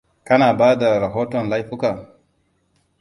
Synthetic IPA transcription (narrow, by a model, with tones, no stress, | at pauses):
ka˦na˨baː˦da˨ɾa˨ɦo˦to˨nla˦jfu˦ka˨